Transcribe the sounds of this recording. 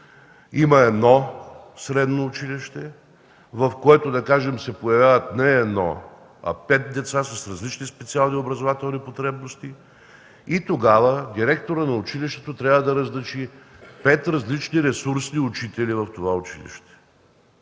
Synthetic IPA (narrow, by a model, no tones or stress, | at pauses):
imɐɛd̪nɔ | sɾɛd̪noːt͡ʃiliʃt̪ɛ | vɐfkoɛt̪od̪ɐkaʒɛmsɛpojɐvʲjavət̪nɛːd̪nɔ̰ | ɐ̰pɛt̪̚d̪ɛt̪sasɐsɾɐzlit͡ʃnispɛt̪sialˠniobɾɐzovat̪ɛlˠnipot̪ɾɛbnost̪i | it̪oɡavəd̪iɾɛk̚t̪oɾənɐʊt͡ʃiliʃt̪ɛt̪ot̪ɾʲabvəd̪ɐɾɐzlɐt͡ʃi | pɛt̪ɾɐzlit͡ʃniɾɛsuɾsniʊt͡ʃit̪ɛlivɐft̪ovaʊt͡ʃilḭʃt̪ɛ̥